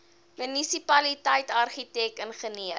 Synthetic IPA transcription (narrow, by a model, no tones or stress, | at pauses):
mynisipɐlitəjtɐrχitɛkənχəniə